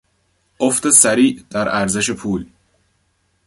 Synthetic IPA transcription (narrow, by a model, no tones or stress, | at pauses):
ʔoft̪esæɾiːʔd̪̥æɾæɾze̞ʃe̞pʰuːl